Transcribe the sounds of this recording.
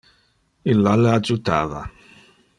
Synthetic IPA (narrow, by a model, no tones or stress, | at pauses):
ilːalead͡ʒut̪a̰ːva̰